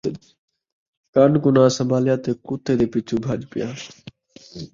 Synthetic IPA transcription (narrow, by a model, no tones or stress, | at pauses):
kaːnɡʊnãːsəmbʱaːlɪjãːt̪eːkuːt̪eːd̪eːpɪt͡ʃʰuːbʱaːʄpɪjaː